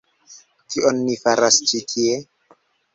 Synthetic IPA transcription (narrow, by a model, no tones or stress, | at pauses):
kionːifaɾast͡ʃitʰie